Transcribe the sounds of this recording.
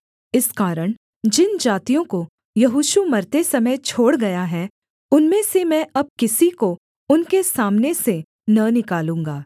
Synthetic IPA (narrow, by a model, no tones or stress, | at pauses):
ɪskaːɾəɽ̃ | d͡ʒɪnd͡ʒaːt̪ijõko | jɐɦuːʃumɐɾt̪esɐməjt͡ʃʰoːɽɡɐjaɦɛː | ʊnmẽsemɛ̃ʔɐb̚kɪsiko | ʊnkesaːmnese | nɐnɪkaːlũːŋɡaː